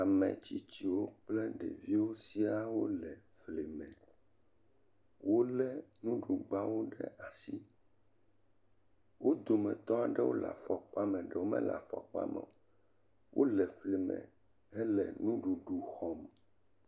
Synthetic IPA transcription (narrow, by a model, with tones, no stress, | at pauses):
a˨mɛ̰̃˨t͡ɕi˦t͡ɕi˨wo˦k͡plɛ˦ɖɛ̰˨vi˦wo˦si˦a˦wo˦lɛ˨fle˨mɛ̃˨ | wo˦lɛ˦nũ˦ɖu˨ɡ͡ba˦wo˦ɖɛ̰˦ʔa˨si˦ | wo˦d̪o˨mɛ̃˨t̪ɔ̃˦a˨ɖɛ˦wo̰˦la̰˨fɔ˨k͡pa˦mɛ̃˨ɖɛ˨wo˦mɛ̰̃˦la̰˨fɔ̰˨k͡pa̰˦mɛ̰̃˨ | wʔo̰˦lɛ˨fle˨mɛ̰̃˨ | hɛ˦lɛ˨nũ˦ɖu˨ɖu˨xɔ˨m